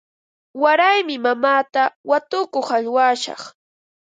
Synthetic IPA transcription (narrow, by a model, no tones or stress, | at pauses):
waɾajmɪmamaːt̪awat̪ʊkoχaʎwaʃɑ̰χ